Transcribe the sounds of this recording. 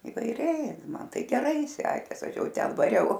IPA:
ɪʋɐɪˈrʲɛɪ ˈmɐn ˈtɐɪ ɡʲɛˈrɐɪ ˈsʲæːkʲeːs ˈɐʃ ˈjɛʊ ˈtʲɛn ʋɐˈrʲɛʊ

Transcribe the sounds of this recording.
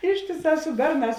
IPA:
ˈɪʃʲtʲeːˌsɑː sʊ ˈbʲɛrˌnɑːs

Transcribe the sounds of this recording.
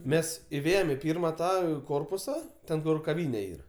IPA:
ˈmʲɛs ɪˈʋʲeːjɛm ɪ ˈpʲiːrmɐ ˈtɑː ˈkoːrpʊsɐ ˈtʲɛn kʊr kɐˈʋʲiːnʲɛ ˈiːr

